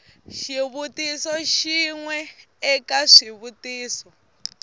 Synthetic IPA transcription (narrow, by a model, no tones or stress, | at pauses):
ʃiβutʼisɔʃiŋwɛ | ɛkʼaʂiβutʼiːsɔ